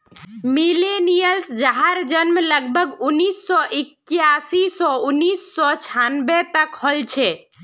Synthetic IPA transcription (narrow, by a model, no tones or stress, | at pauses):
milenijəlsd͡ʒaɦaɾd͡ʒənmləɡbʱəɡunːisːɔʔikjasisɔunːisːɔt͡ʃʰanbɛt̪əkhɔlt͡ʃʰɛ